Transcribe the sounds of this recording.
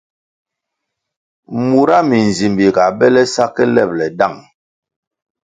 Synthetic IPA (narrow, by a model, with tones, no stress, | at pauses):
mu˨ɾa˦mi˨n˨zi˨mbi˨ka˨bɛ˦lɛ˦sa˦kɛ˦lɛ˦˨p̚lɛ˨da˦˨ŋ